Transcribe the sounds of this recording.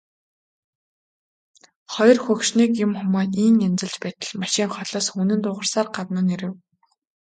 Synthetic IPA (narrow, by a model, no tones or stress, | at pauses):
χɔjɞ̆rxɵkʃniːkʊmxʊmɔːt̪iːŋemt͡sɘ̆ɮt͡ɕpæːt̪ə̆ɮmaʃiːŋχɔɮɔːsxunɘ̆nt̪ʊːʁə̆rsaːrɢat̪mʊːneɾɘ̆w